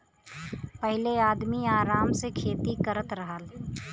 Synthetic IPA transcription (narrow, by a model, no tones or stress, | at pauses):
pəɦɪleaːd̪miaːɾaːmsekʰeːt̪ikəɾət̪ɾəɦəl